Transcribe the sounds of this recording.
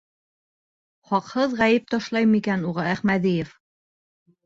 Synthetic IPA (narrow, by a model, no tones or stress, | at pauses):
χɑqhɤðʁæjɘp̚t̪ɑʃlˠɑjmikænuʁɤæχmæðijef